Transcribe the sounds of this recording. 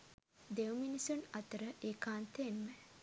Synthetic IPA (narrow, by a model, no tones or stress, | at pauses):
d̪ewminisunɐt̪əɾəʔeːkaːnt̪eːnme